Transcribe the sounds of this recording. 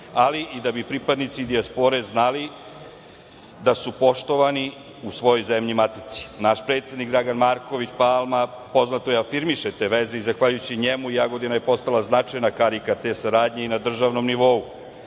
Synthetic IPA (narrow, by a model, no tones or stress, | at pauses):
aliʔid̪abipɾipad̪nit̪sid̪iaspo̞ɾe̞znali | d̪asupo̞ʃt̪o̞ʋani | usʋo̞jo̞jze̞mʎimat̪it̪si̥naʃpɾet̪sjed̪nikɡd̪ɾaɡanmaɾko̞ʋit͡ɕpalˠma | po̞znat̪ojeafiɾmiʃet̪e̞ʋe̞zeizaxʋaʎujut͡ɕiɲemuijaɡo̞d̪inaje̞po̞st̪alaznat͡ʂajnakaɾikat̪e̞saɾaːd̪ɲe̞inad̪r̩ʒaʋno̞mniʋo̞u